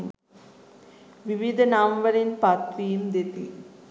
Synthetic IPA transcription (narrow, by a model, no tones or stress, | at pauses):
ʋiʋid̪ʱɐnamʋɐɾɪnpɐt̪ʋijɯmd̪et̪i